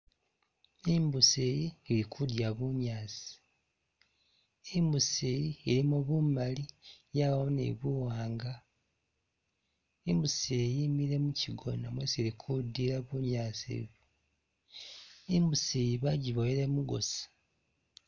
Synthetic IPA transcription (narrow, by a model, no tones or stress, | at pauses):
imbusejiːlikʰudjaβuɲaːzi̥ | imbusejiːɾimoβumalijaβamunḛβuwaːŋɡa | imbusejimiɾe̞muciɡo̞̰namweseɾikʰudiɾaβuɲaːzḛβu | imbuseːjiβaɟiβojeɾemuɡo̞̰sḁ